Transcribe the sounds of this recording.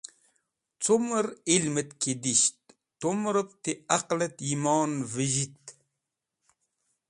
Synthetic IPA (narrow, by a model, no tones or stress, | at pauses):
t͡soməɾilmət̪ked̪iɕt̪̚ː | omɾəp̚t̪eaqlət̪imɑːnvəʒit̪